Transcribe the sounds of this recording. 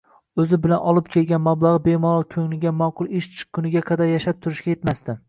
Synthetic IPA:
ɵzɪbɪlanɒlˠɪp̚kʲʰe̞lɡʲanmablˠɑʁɨbe̞mɒɾɒlkʲʰɵŋlɪɡʲamɒqʰʊlˠɪʃt͡ʃʰɨ̥q̚kʰʊnɪɡʲaqʰɑd̪aɾjaʃap̚t̪ʰʊɾɪʃkʲajet̪mast̪ɪ

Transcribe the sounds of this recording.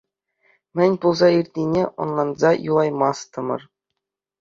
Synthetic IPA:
mʲɘ̆nʲpulˠzɑirʲt̪ʲinʲeʔŏ̰nlˠɑnzɑjulˠɑjmɑst̪ɤ̆mɤ̰̆r

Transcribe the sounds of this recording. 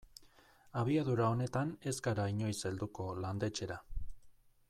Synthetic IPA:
aβ̞iaðuɾao̞ne̞t̪ane̞zɡaɾaiɲo̞jseld̪uko̞land̪e̞t͡ʃe̞ɾa

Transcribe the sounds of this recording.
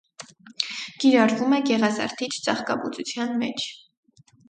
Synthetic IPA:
ɡ̥iɾɑɾvumɛɡɛʁɑzɑ̰ɾt̪ʰit͡ʃʰt͡sɑχkɑ̰but͡sut͡sʰjɑnmɛt͡ʃʰ

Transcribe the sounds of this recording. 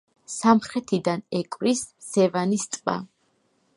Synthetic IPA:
samχɾɛt̪ʰid̪anɛkʼvɾisːɛvanist̪ʼva̰

